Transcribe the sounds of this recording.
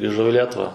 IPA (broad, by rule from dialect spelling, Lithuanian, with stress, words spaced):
ɡrʲɪˈʒɐʊ ɪ ˈlʲiɛtʊʋɐ